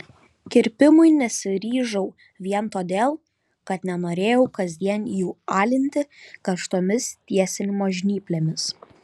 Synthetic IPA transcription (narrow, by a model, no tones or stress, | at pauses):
kʲɪɾʲpʲɪmʊɪnʲɛsʲɪɾʲiːʒɐʊ | ʋʲiɛnt̪oːd̪ʲeːlˠ | kɐt̪nʲɛnoːɾʲeːjɛʊkɐzʲd̪ʲiɛnjuːɑːlʲɪnʲt̪ʲɪkɐʃt̪oːmʲɪst̪ʲiɛsʲɪnʲmoːʒʲnʲiːpʲlʲeːmʲɪs